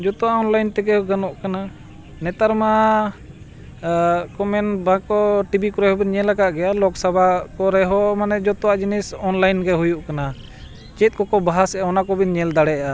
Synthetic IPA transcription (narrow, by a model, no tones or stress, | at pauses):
d͡ʒɔt̪ɔaɔnlajnt̪ɛɡɛɡanɔʔkana | nɛt̪aɾma | kɔmɛnbãkɔʈibikɔɾɛhɔbiɲɛlakaʔɡɛjalɔksabʱakɔɾɛɦɔmanɛd͡ʒɔt̪ɔwad͡ʒinɛsɔnlajnɡɛɦujuʔkana | t͡ʃɛt̪̚ˀkɔkɔbaɦasɛaɔnakɔbinɲɛld̪aɽɛʔa